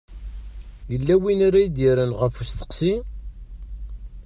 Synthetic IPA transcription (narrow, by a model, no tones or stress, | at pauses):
jəlːæwinaɾæjid̪jəɾənʁəfust̪ə̥qsi